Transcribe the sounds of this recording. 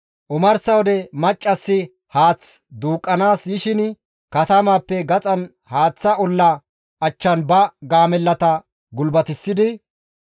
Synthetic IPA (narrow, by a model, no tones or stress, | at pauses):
ʔʊmɐɾsɐwɔd̪ɛmɐt͡ʃʼːɐsːɪ | haːt͡sd̪uːkʼːɐnaːsjɪʃɪn | kɐt̪ɐmaːpːɛɡɐt͡sʼɐn | haːt͡sːɐʔɔlːɐ | ɐt͡ʃːɐnbɐɡaːmɛlːɐt̪ɐ | ɡʊlbɐt̪ɪsːɪd̪ɪ